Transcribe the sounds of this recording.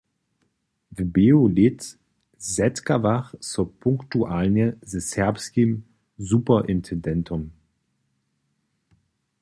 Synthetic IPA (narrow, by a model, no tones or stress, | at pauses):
vəbeolɪt | zɛtkavaχsopʰʊŋktuʔalnəzəsɛɐpskim | zuːpɐʔɪntʰɛndɛntʰʊm